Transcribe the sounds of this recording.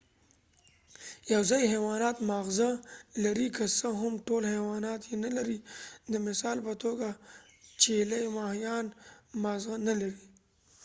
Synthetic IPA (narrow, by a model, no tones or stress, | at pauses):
jawzɑjɦewɑnɑt̪mɑɣzalaɾikəsəɦʊmʈolhewɑnɑt̪jenalaɾid̪əmɪsɑlpət̪oɡat͡ʃelajmɑhjɑnmɑɣzanalaɾi